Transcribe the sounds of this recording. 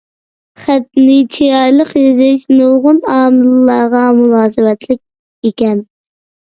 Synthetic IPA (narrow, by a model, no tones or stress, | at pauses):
χæt̪̚nɪt͡ʃʰijɑjlˠəqjezɪʃnoʁʊnɑːmɨlˠlɑɾʁɑmulˠɑːzɨwɛt̪ʰlɪk̚ʲ | ekʲɛn